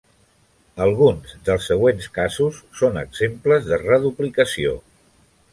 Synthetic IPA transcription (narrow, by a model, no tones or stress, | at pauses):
əlˠɣunzðəlˠsːəɣwenskazusːonə̰ɡz̥empləzðərəðuplikəsio̰